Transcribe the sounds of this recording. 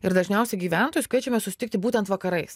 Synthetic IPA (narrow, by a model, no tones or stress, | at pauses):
ɪɾd̪ɐʒʲnʲɛʊsʲɛɡʲiːʋʲænt̪oːjʊskɐɪt͡ʃʲɛmʲɛsʊsʲɪ̥t̪ʲɪk̚t̪ʲɪbuːt̪ʲɛnt̪ʋɐkɐɾɐɪs